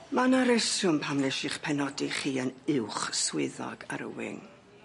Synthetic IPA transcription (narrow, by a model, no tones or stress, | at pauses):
manaɾɛsjʊmpʰamlɛʃɪχpʰɛnɔdiχiːənɪwχswɪðɔ̰ɡ̥a̰ɾə̰wɪ̰ŋ